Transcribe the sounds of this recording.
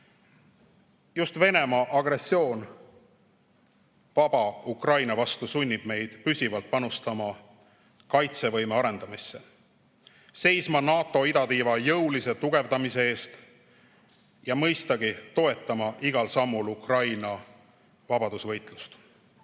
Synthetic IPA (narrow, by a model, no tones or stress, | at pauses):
just̪ve̞ne̞mɑʔɑɡ̥ɾe̞sːio̞ːn | vɑb̥ɑukrɑjnɑvɑst̪usunʲːib̥me̞jd̪̥pysʲivɑlt̪̚pɑnust̪ɑmɑ | kɑjt̪se̞vɤ̞jme̞ɑɾe̞nd̪̥ɑmisːe | se̞jsmɑnɑːt̪ːˑo̞id̪ɑt̪iːvɑjɤwlise̞t̪uɡ̥e̞vd̪ɑmise̞e̞ːst̪ | jɑmɤjst̪ɑɡ̥it̪o̞e̞t̪ːˑɑmɑʔiɡ̥ɑlsɑmːulukrɑjnɑ | vɑbɑd̪usvɤ̞jt̪ˑlust̪